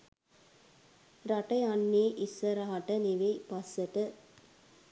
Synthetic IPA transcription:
ɾaʈɐjanːiːʔisʋɐɾaɦaʈəniʋepasːəʈə

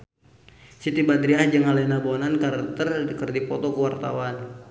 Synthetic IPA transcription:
sit̪ibad̪ɾiahd͡ʒəŋalɛnabonankart̪ərkərdipɔt̪ɔkəwart̪a̰wan

